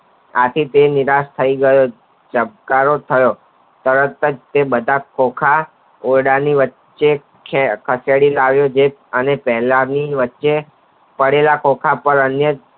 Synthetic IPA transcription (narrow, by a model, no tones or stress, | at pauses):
a̰t̪ʰit̪eniɾast̪ʰəiɡəjo | d͡ʒəb̚kaɾot̪ʰəjo | t̪əɾət̪əd͡ʒt̪ebəd̪ʱakokʰa | oɽaniʋət | t͡ʃʃe | kʰekʰəsjaɽilaʋjod͡ʒeənepɛɦlaniʋətːʃe | pəɽelakokʰapəɾənjə